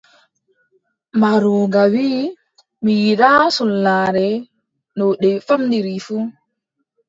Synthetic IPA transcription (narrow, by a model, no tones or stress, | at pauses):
maɾuːɡawi | mijiɗasulːaɾɛ | nɔɗɛfamdiɾifu